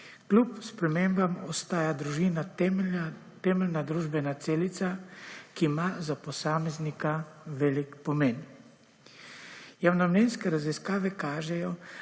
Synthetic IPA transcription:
klʲupspɾɛmeːmbamɔst̪aːjad̪ɾuʒiːna | t̪ɛːmɛlnad̪ɾuːʒbɛnat̪seːlit̪sakiːmazapɔsaːmɛznikaʋɛːlikpɔmen | jawnɔmlɛnskɛɾaziskaːʋɛkaːʒɛjɔ

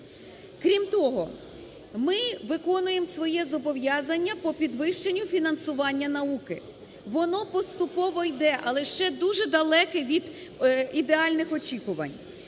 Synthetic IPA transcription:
kɾʲimt̪ɔɦɔ | mɪʋɪkɔnʊjemsʋɔjɛzɔbɔʋjɑzɐnʲːɐpɔpʲid̪ʋɪʃt͡ʃenʲːʊfʲinɐnsʊʋɑnʲːɐnɐukɪ | ʋɔnɔpɔst̪ʊpɔʋɔjd̪ɛʔɐlˠɛʃt͡ʃɛd̪uʒɛd̪ɐlˠɛkɛʋʲid̪id̪eɑlʲnɪxɔt͡ʃʲikʊʋɐ̰nʲ

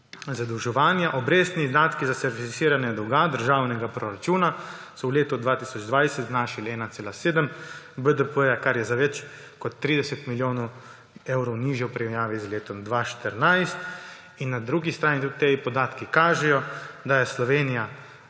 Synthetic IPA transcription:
zad̪əwʒɛʋaːnjaʔɔbɾeːst̪niːzd̪aːt̪kizasɛɾt̪ifit̪siːɾanɛd̪ɔwɡad̪əɾʒaːwnɛɡapɾɔɾat͡ʃuːna | sɔwleːt̪ɔd̪ʋaːt̪isɔd͡ʒd̪ʋajsɛt̪znaːʃilɛːnat̪seːlaseːd̪əm | bəd̪əpəjakaɾjɛzaʋɛt͡ʃ | kɔt̪ːɾiːd̪ɛsɛt̪miljoːnɔ | ewɾɔwniːʒjɛwpɾiɛmjaːʋizleːt̪ɔmd̪ʋaːʃt̪əɾnajst̪ | inːad̪ɾuːɡist̪ɾaːnit̪ut̪epɔd̪aːt̪kikaːʒɛjɔd̪ajɛslɔʋeːnija

